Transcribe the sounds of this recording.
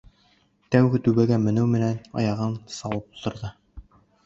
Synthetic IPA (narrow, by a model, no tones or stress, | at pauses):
t̪æwɡɘt̪ʉβæɡæmɘ̆nɘwmɘ̆nænɑ̰jɑʁɤnsɑw̪ˠɤp̚ut̪ɤ̆ɾðɤ